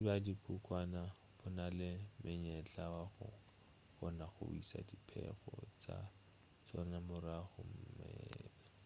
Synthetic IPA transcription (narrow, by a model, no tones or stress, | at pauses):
badikʰukwana | b̥ʊnalɪmɪɲɛt͡ɬʼawaχʊ | χɔnaχʊ̰isa̰dipʰɛχɔt͡sa | t͡sɔnamʊraχʊm̩mɛːla